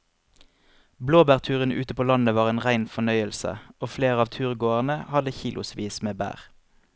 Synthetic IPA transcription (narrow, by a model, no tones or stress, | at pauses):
bloːbæːʁt̪ʰʉːʁənʉ̰ːt̪əpʰoːlɑnəʋɑːʁeːnʁæɪnfɔnœʏəlsə̰oːfleːʁɑːʋt̪ʰʉːʁɡoːəʁnəhɑd̪əçiːlʔʊ̰sʋiːsmeːbæ̰ːʁ